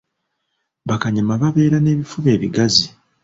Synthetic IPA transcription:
βakaɲimaβaβe̞ːɾane̞ːβifuβe̞ːβiɡazi

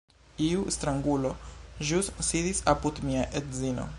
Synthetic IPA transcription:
iuʔst̪ɾɐŋɡuloʒussiðisɐput̪miaʔet̪zino̰

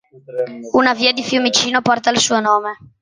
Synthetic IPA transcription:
unaviːad̪ifjumit͡ʃiːnopɔrt̪ailsuːonoːme

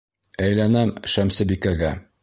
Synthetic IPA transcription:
æjlænæmʃæmsɘbikæɡæ

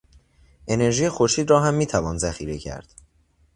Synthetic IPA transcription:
ʔe̞ne̞ɾʒiːjexoɾʃiːd̪ɾɒːɦæmːiːt̪ʰævɒːnzæxḭːɾe̞cʰæ̰ɾd̪̥

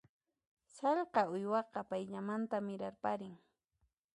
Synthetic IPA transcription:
sɑʎqɑʊjwɑqɑpajʎamant̪amɪɾaɾpaɾɪŋ

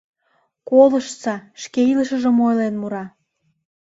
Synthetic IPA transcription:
koləʃt͡sɑʃkeiləʃə̆ʒə̆mojlenmuɾɑ

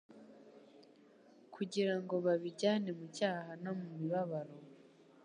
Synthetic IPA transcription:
kʰuɟiɾaŋɡo̞βaβiɟaːne̞mucaːhanomumiβaβaɾo̞

